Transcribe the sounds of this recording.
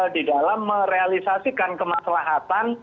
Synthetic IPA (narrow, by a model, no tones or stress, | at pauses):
didalamːəɾealisasikankəmasalaɦat̪an